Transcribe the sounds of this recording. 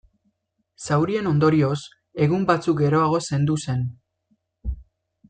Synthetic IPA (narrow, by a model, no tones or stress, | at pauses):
sawɾie̞no̞nd̪o̞ɾio̞s | e̞ɣumbat͡suk̚ɡe̞ɾo̞aɣ̞o̞se̞nd̪use̞n